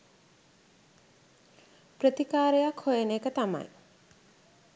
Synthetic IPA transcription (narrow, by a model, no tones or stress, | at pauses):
pɾət̪ikaːɾejakʰhojeneːkət̪ama̰j